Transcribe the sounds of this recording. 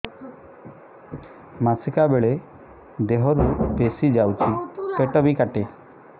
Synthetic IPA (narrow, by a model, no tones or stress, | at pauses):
masikabeɭe | d̪eɦɔɾupesid͡ʒawt͡ʃʰikeʈɔbikaʈe